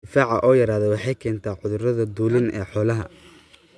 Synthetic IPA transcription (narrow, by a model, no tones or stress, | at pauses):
ɪfaːʕɑ̰ʔɔːjɐɾaːðɛwɑħɑjkʰɛːnt̪ʰaːʕʊðʊrɐðɐd̪uːlɪnʔɛːħɔːlɐɦɐ